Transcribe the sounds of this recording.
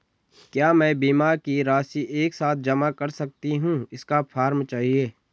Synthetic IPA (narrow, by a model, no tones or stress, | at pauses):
kjaːmɛ̃ːbiːmaːɾkiɾaːsiʔeːksaːt̪̚ʰd͡ʒɐmakɐɾsɐk̚t̪iɦũɪskafʰaːɾmt͡ʃaːɦieː